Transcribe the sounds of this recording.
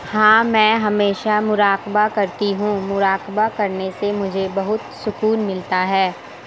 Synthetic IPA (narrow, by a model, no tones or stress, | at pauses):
hãːmɛ̃ːɦɐmeːʃamʊɾaːkbakɐɾt̪iɦũmʊɾaːqbakɐɾnesemʊd͡ʒʱebɐɦʊt̪sʊkuːnmɪlt̪aɦɛː